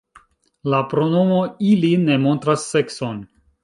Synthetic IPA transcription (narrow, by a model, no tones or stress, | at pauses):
lapɾo̞no̞mo̞iline̞mo̞ntɾasːe̞kso̞n